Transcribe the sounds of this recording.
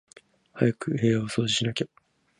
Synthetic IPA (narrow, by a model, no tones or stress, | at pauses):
hajakɯ̟he̞ːaoso̞ːd͡ʑiɕinakʲa